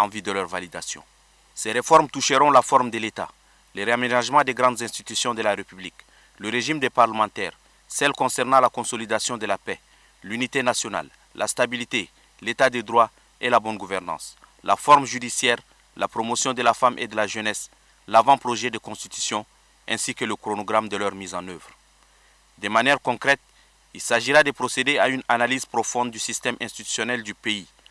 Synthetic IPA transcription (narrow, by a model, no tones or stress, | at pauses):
ɑ̃vyd̪əlœʁvalid̪asjɔ̰̃ | sɛʁefɔʁmt̪uʃəʁɔ̃lafɔʁmd̪əlet̪a̰ | leʁeamenaʒmɑ̃d̪eɡʁɑ̃d̪zɛ̃st̪it̪ysjɔ̃d̪əlaʁepyblik | ləʁeʒimd̪epaʁləmɑ̃t̪ɛːʁ | sɛlkɔ̃sɛʁnɑ̃lakɔ̃solid̪asjɔ̃d̪əlapɛ | lynit̪enasjɔna̰lː | ʔa̰st̪abilit̪e | let̪ad̪ed̪ʁwa | elabɔ̃nɡuvɛʁnɑ̰̃slafɔʁmʒyd̪isjɛːʁ | lapʁomosjɔ̃d̪əlafamʔḛd̪əlaʒənɛs | lavɑ̃pʁoʒɛd̪əkɔ̃st̪it̪y̥sjɔ̃ | ɛ̰̃sikələkɾonoɡʁamd̪əlœʁmizɑ̃nøvʁ | d̪əmanjɛʁkɔ̃kʁɛt̪̚ | ilsaʒiʁad̪əpʁosed̪eaynanalizpʁofɔ̃nd̪̚ːysist̪ɛmɛ̃st̪it̪y̥sjɔnɛld̪ypei